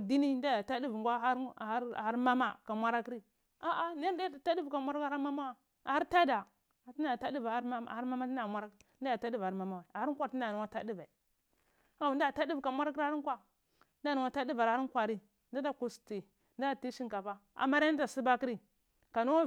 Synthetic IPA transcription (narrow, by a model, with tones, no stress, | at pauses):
di˦ni˦n˦da˦ja˨ta˦di˦vŋɡʷa˦a˦ɾha˦ɾma˦ma˦ka˨mʷa˦ɾa˦ki˦ɾi˦ | a˦ʔa˦ni˦da˦a˨ta˦di˦vka˨mʷa˦ɾka˦ma˦ma˦wa˦ | a˨ha˦ɾta˦da˨ | a˦i˦da˦˨ta˦di˦va˦ɾa̰˦˨ha˦ɾma˦ma˦ta˨mʷa˦ɾa˦da˦ja˨ta˦di˦va˨˦ma˦ma˦wa˨a˨ha˦a˦ɾti˦nda˨nu˨wa˦ta˦di˦va˨i˨ | a˦˨u˨n˦da˦˨a˦di˦vka˨mʷa˦ɾa˦k̬ɾkʷa˦ | nda˦˨nu˨wʷa˦ta˦di˦va˨ɾa˨˦kʷa˨ɾi˦ | nda˦da˦˨ku˨sti˨ | nda˦a˨ti˦ʃi˦ŋka˨va˦a̰˨ma˦ɾa˨si˦ba˦ki˦ɾi˦ | ka˨nu˦a˦